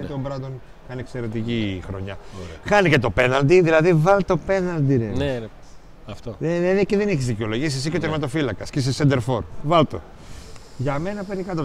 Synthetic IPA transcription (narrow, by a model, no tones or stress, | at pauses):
eiombɾɐd̪on | kɐnekse̞ɾe̞t̪icixɾo̞̰ɲɐxɐnice̞t̪o̞pe̞nɐld̪iðilɐðivɐlt̪o̞pe̞nɐld̪iɾe | ɐft̪oneneðeceðeniçizðiceo̞lo̞ʝis̬isicot̪eɾmɐt̪o̞filɐkɐscis̬isend̪eɾfo̞ɾvɐlt̪o̞̰ | ʝɐme̞nɐpe̞ɾikɐt̪o